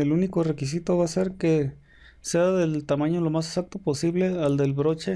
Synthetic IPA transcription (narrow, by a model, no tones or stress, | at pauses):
elunikore̞kis̬it̪o̞βase̞ɾke | seaðe̞lt̪amãɲo̞lo̞mas̬esak̚t̪oposiβle̞ald̪e̞lβɾo̞t͡ʃe̞